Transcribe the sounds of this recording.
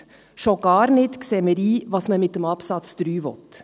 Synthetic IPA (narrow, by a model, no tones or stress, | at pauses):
ʃoɡ̥ɑːɾnɪt̪ksɛːməɾiːʋɑːsmɛmɪt̪d̪ɛmɑpsɑt̪sd̪̥ɾyːʋɔ̰t̪